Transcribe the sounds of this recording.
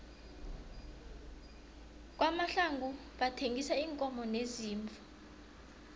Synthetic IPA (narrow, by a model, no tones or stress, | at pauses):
k̬ʼwamaɬaŋɡʱu | ɓatʰeŋɡʱisaiːŋkʼɔmɔneziːɱfḁ